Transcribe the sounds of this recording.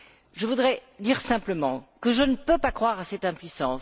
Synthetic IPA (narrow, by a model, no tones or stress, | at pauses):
ʒəvud̪ʁɛd̪iʁsɛ̃pləmɑ̃kəʒənəpøpakχwaʁasɛt̪ɛ̃pɥisɑ̃s